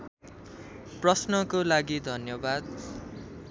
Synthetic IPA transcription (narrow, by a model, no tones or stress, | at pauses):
prʌsnʌkolaɡid̪ʱʌnjʌbad̪